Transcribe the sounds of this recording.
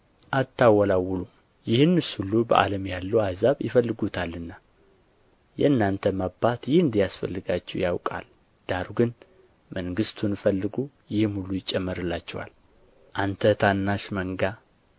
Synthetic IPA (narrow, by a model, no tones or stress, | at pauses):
ʔat̪ʰːawɔlawulu | jɪhɨnːɨsulubə̰ʔa̰ləmjalːəwazaβjɪ̰fəlːɨɡut̪ʰalːɨnːa | jɛ̰nːant̪ʰəmabat̪jɪhɨnd̪ijasfəlːɨɡat͡ʃːɛwjawkʼa̰l | d̪̥aɾuɡɨn | məŋɡɨst̪ʰunfəlːɨɡu | jɪhmhulujɪt͡ʃʼːɛmːɨɾɨlːat͡ʃːɛwa̰l | ʔant̪ʰət̪ʰanːaʃməŋɡa